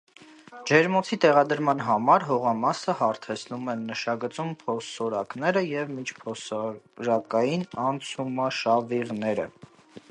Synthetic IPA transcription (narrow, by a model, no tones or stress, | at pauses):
d͡ʒɛɾmɔt͡sʰit̪ɛʁɑd̪əɾmɑnɦɑmɑɾɦɔʁɑmɑsəhɑɾt̪ʰɛt͡sʰnumɛnːəʃɑɡət͡sumpʰɔsɔɾɑknɛɾəjɛvmit͡ʃʰpʰɔsɑɾɑkɑjinɑnt͡sʰumɑʃɑviʁnɛɾə̰